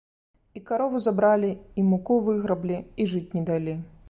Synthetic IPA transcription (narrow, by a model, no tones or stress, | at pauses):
ikaɾɔvuzabɾalʲiimukuvɨɣɾɐblʲiiʐɨt͡sʲnʲɛd̪alʲi